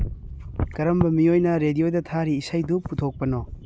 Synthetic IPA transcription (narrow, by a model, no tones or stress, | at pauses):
kɐɾɐmbɐmiojnɐɾedijodɐtʰaɾiːsajduputʰok̚pɐnɔ